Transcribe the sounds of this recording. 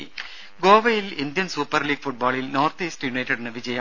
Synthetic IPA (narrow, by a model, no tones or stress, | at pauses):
ɡoːʋɐjilind̪jɐnsuːpːɐrliːɡfuʈ̚baːɭilno̞ːrt̪iːsʈɨjunɐjʈːɐɽinɨʋid͡ʑɐjɐ